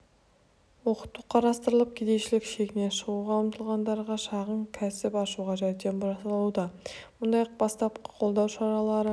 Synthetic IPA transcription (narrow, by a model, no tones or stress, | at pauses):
wo̞qə̥t̪ːuqʰɑɾɑst̪əɾəlˠəp̚kʲʰed̪e̞ʃɪlɪkʃe̞kʲɪne̞nʃəʁuʁɑlˠəmt̪ʰəlˠʁɑnd̪ɑɾʁɑʃɑʁəɴkʲʰæsɪpɑʃuʁɑʒæjt̪e̞nbʊɾɑsɑlˠud̪ɑmʊnd̪ɑjq̚bɑst̪ɑp̚qə̥qʰo̞lˠd̪ɑwʃɑɾɑlˠɑɾə